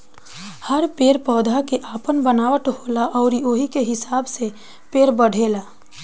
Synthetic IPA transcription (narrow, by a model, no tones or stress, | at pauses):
həɾpeːɾpɔːd̪ʱakeʔaːpənbənaːwəʈɦoːlaʔɔːɾioːɦikeɦɪsaːbse | peːɾbəɽ̤ʱeːlaː